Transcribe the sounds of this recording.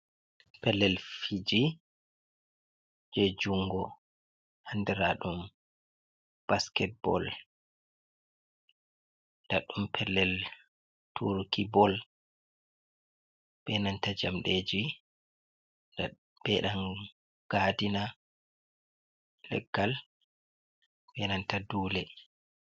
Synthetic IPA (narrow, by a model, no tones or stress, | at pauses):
pɛlːɛlfid͡ʒi | d͡ʒed͡ʒuŋɡɔ | handɛɾaɗum | b̥askɛt̚bɔ̰l | ndaɗumpʰɛlːɛl | tʰuɾkibɔl | ɓɛnantad͡ʒamɗed͡ʒi | nda | b̥ɛɗan | ɡ̥aːdina | lɛ̰ɡːal | ɓɛnantaduːlɛ